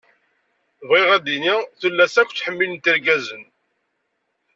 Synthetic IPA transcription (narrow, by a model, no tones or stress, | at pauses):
vʁiʁæðiniθəlːæsækʷːθħəmːilnt̪əɾɡæzən